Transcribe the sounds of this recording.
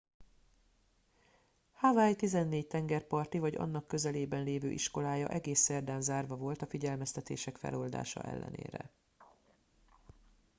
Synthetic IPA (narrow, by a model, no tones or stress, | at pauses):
havajt̪izɛnːeːct̪ɛŋɡɛrpɒrt̪ivɒɟɒ̰nːɒkːø̞zɛleːbɛnleːvø̰ːʔiʃko̞laːjɒ̰ʔɛɡeːsːɛrd̪aːnzaːrvɒvo̞lt̪ɒfiɟɛlmɛst̪ɛt̪eːʃɛkfɛ̰lo̞ld̪a̰ːʃɒ̰ʔɛ̰lːɛ̰nḛːɾɛ̰